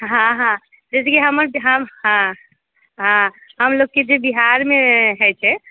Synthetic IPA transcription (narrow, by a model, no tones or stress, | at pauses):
ɦãɦã | d͡ʒɛsɡeɦəməɾbiɦəmɦã | ɦãɦəmloɡ̚ked͡ʒebiɦaɾmeɦət͡ʃʰɛ